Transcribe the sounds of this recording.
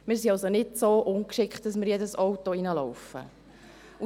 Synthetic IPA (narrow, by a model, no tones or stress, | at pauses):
mɪːɾsiɑlsonɪdsoːʔʊnkʃɪkχt̚d̥ɑsmɪɾjɛdəsɔwtoinəlɔwfə̰ | u